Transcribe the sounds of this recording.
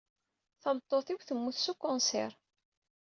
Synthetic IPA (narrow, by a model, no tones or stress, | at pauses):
θəmt̪ˤːoθiwθəmːuθsukːʊnsɛ̰ɾ